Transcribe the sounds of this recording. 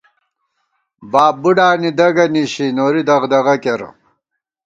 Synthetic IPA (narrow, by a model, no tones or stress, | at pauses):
baːb̚bːuɖaːnid̪ɐɡɐniɕinoːɾid̪ɐʁd̪ɐɣɐkeɾ̰